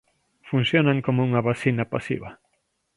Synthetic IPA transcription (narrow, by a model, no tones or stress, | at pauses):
fun̟sjonaŋkomouŋɐβasinɐpasḭβɐ